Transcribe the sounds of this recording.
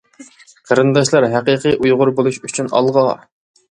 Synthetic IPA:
qʰɑɾɨnd̪ɑʃ̬lˠɑɾɦæqəqʰɨʔujʁʊɾbolˠuʃyt͡ʃʰynɑ̰lˠʁɑ

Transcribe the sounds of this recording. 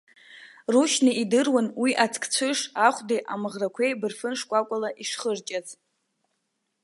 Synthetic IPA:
ruʃnɨidɨrwanwiʔat͡sʰʼkʰʼt͡sʷʰɨʂaχʷdiʔamɨʁrakʷʰejbɨrfɨnʂkʷʼakʷʼalaʔiʂχərt͡ʃʼat͡sʼ

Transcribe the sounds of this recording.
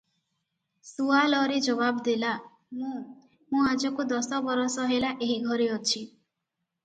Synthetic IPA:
sualɔɾed͡ʒɔbabd̪ela | mũ | mũad͡ʒɔkud̪ɔsɔbɔɾɔsɔɦelaʔeɦiɡʱɔɾeɔt͡ʃʰi

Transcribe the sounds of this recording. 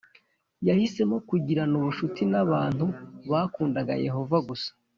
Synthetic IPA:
jahise̞mo̞kuɟiɾanuβuʃutinaβaːn̥huβaːkuːndaɡa̰je̞̰ho̞vaɡusḁ

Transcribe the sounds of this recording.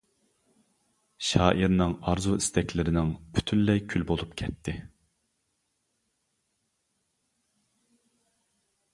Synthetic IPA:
ʃɑːʔiɾnɪŋɑɾzuist̪ɛkʲlɪɾɪnɪŋpʰy̥t̪ʰynlɛkʲʰylbolˠupkʲʰɛt̪ʰːɪ

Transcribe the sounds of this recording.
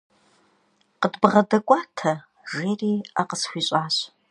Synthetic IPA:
qədbʁɐdɐkʷʼaːtʰɐ | ʒeːriːaqəsxʷiːɕʼaːɕ

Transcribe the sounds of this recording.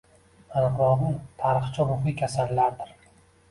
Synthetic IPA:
anɨqɾɒd̪ɪnt̪ʰaɾɨχt͡ʃʰaɾʊχikʲʰasalːaɾd̪ɪɾ

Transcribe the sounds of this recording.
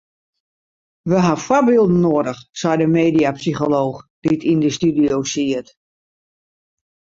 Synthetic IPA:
ʋəɦafwɔrbɪəlˠdn̩ːoədəxsɛjdəmeːdiapsixoloːxd̥itʰindəstydiowsiət

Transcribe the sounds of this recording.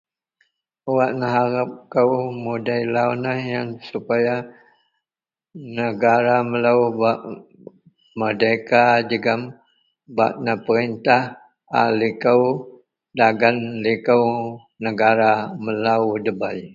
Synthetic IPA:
əwaʔnaɦaɾap̚kəwmudajlawnahjansupaja | nəɡaɾaməlaubaʔ | mədajkad͡ʒəɡam | baʔnapəɾint̪ah | a̰likəw | daɡanlikəw | nəɡaɾaməlaudəbaj

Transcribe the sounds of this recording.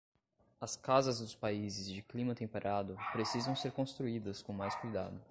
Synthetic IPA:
ɐskazɐzd̪ʊspaizɪzd͡ʒɪklĩmɐt̪ẽmpeɾʔad̪ʊpɾesizɐ̃w̃seɾkõst̪ɾuid̪ɐskõw̃majskujd̪a̰d̪ʊ

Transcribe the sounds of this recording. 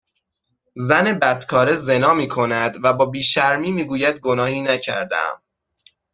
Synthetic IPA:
zæne̞bæd̪̥kʰɒːɾe̞ze̞nɒːmiːkʰo̞næd̪væbɒːbiːʃæɾmiːmiːɡuːjæd̪̚ɡo̞nɒːhiːnæcʰæ̰ɾd̪æ̰æ̰m

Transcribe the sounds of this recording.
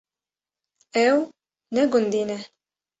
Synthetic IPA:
ɛw | nɛɡund̪inɛ

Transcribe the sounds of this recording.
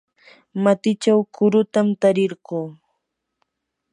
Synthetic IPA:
mat̪ɪt͡ʃawkʰʊɾʊt̪amt̪aɾɪɾɢoː

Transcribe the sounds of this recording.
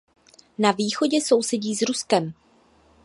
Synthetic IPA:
naviːxo̞ɟɛso̞wsɛɟiːzɾuskɛm

